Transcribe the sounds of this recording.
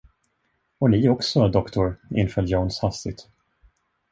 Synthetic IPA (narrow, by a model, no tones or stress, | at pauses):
ɔnɪɔksɔd̪ɔkt̪ʊɾɪ̰nfœːljownshast̪ɪɡt̪